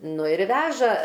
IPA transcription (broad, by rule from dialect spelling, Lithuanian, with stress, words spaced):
ˈnʊ ɪr ˈʋʲæːʒɐ